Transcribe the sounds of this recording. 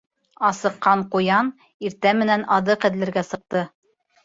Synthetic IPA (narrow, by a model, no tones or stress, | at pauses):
ɑsɤ̆qːɑɴqujɑn | iɾt̪æmɘ̆nænɑðɤqɘ̆ðlɘ̆ɾɡæsɤ̆q̚t̪ɤ